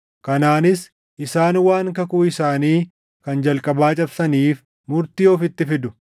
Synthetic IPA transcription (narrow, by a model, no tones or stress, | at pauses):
kɐnaːnɪs | ʔɪsaːnwaːŋkɐkuːɪsaːniː | kɐnd͡ʒɐlkʼɐbaːt͡ʃʼɐbsɐniːf | mʊɾt̪iːoːfɪt̪ːɪfɪd̪ʊ